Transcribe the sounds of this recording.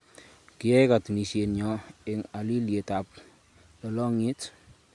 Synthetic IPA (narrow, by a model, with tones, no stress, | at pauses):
kɪ˨jɛ˦jka˨tni˨ʃe˨nɲɔ˨ɪ˨ŋa˨li˦lje˨ta˨p̚ | lɔ˨lɔ˦ŋi˦t